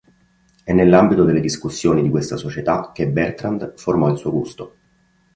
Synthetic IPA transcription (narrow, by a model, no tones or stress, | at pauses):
ɛnːelːambit̪od̪elːed̪iskusːjoːnid̪ikwest̪asot͡ʃet̪ak̟ːebɛrt̪ɾand̪formɔilsuːoɡust̪o